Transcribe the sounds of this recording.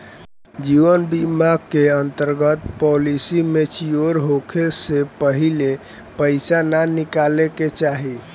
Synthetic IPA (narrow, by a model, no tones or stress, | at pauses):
d͡ʒiʋənbimaɡkːeənt̪əɾɡət̪pɔlisimet͡ʃʰioɾɦokʰesepəɦile | pəɪsananikaleket͡ʃaɦi